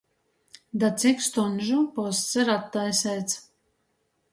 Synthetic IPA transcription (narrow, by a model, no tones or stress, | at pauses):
d̪at̪sikst̪ɔnʒupɔst̪sɛɾat̪ːajsɛjt̪s